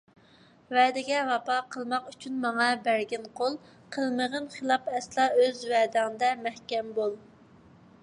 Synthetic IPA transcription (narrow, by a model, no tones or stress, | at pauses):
vɛːd̪ɪɡʲɛvɑpɑqʰəlˠmɑqyt͡ʃʰynmɑŋɑbæɾɡʲɛnqʰolˠ | qʰəlˠməʁənχəlˠɑpɛslˠɑøzvɛːd̪ɪŋɨd̪ɛmæhkʲɛmbolˠ